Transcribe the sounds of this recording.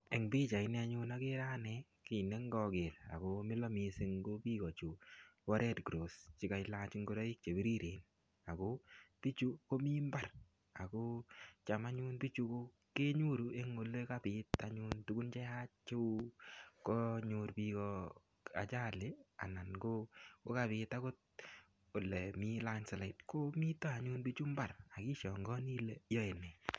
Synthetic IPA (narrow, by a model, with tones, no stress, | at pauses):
e˨ŋbi˦t͡ʃa˨ɪ˨nɛ˦a˦ɲʊ˦na˦kɪ˦ɾa˦nɛki˨ne˦ŋɡɔ˧ɡe˨ɾa̰˨komɪ˦lɔ˦mi˨se˦ŋɡo˦piː˦kɔ˨t͡ʃu˨wɔ˦ɾɛ˦tɡɾo˨st͡ʃɪ˦ka˨jlaː˦t͡ʃi˦ŋɡo˦ɾɔ˦i˦k̚t͡ʃe˨bi˦ɾi˦ɾe˨n | a˨ko˦pi˦t͡ʃu˦ko˦mi˦mba˦r | a˨ko˦t͡ʃa˨ma˦ɲu˦nbi˦t͡ʃu˧ko˦ | ke˦ɲu˦ɾu˨e˦ŋo˨le˦ka˦pɪ˨ta˦ɲʊ˦ntu˦ɡu˦nt͡ʃɛ˦ha˦t͡ʃe˦u˦kɔ˦ɲʊ˨ɾpi˧kɔ | a̰˨t͡ʃa˦le˦a̰˨na˨nɡo˦ko˦ka˨bɪ˨ta˦ko˦t̚ | o˨le˨mi˦la˦ɲsala˨ɪ˨tko˦mi˦tɔ˦a˨ɲu˦nbi˦t͡ʃu˦mba˨ɾa˨ki˦ʃɔ˨ŋɡɔ˦ni˦le˦jɔ˦e˨nɛ˨